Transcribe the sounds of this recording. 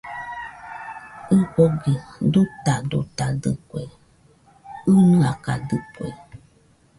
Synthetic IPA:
ɨpoɡedut̪adut̪adɨ̰kwe | ɨnɨaka̰dɨkwḛ

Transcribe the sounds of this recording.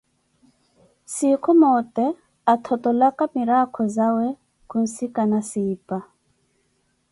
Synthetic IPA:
sikʰɔmɔtɛ | at̪ʰɔtɔlakamiɾakʰɔzawɛ | kun̩sikanasiːpa

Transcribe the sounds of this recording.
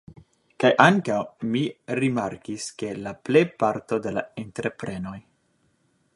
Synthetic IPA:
kajʔaŋkawmiɾimaɾkiske̞laplejpaɾt̪o̞d̪e̞la̰ent̪ɾepɾe̞no̞j

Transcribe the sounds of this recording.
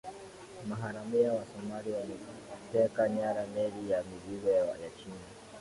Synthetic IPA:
maɦaɾamijawasɔmalijatɛkaɲaːɾamelijamiliwɛwa̰jat͡ʃiːna

